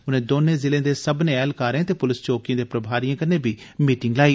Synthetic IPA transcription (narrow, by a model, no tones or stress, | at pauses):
ʊnẽːd̪oːnẽːzɪlẽːd̪eːsəbneːɛːlkaːɾeẽːt̪eːpʊlɪst͡ʃoːkijãːd̪eːpɾəbʱaːɾijãːkəɾneːbʱiːmiːʈɪŋɡlaːiː